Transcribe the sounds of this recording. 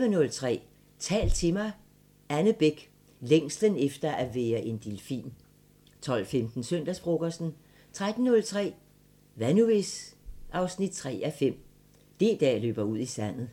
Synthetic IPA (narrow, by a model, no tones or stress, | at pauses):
ʋənɔ̽lt͡sʰʁɛ̰ː | t͡sʰɛ̰ːld̥̚t͡sʰe̝mɐɪ | ænəb̥eɡ̥ | leŋ̰sd̥ənefd̥ɐʔæʋeːɐʔe̝nd̥ilfḭːn | t͡sʰɒ̽l̰femd̥n̩søn̰d̥æsb̥ʁɔɡ̥ɐsn̩ | t͡sʰʁad̥n̩ːɔ̽lt͡sʰʁɛ̰ː | ʋænuesɑ̈ʊsnid̥̚t͡sʰʁɛ̰ːæfem̰ | d̥e̝d̥ɛ̰ːlø̰ːb̥ɐuð̰ˠisæn̰ð̩ˠ